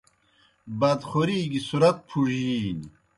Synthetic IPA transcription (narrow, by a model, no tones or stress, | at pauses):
bɐd̪χoɾiːɡisuɾɐt̪̚pʰuʑiːni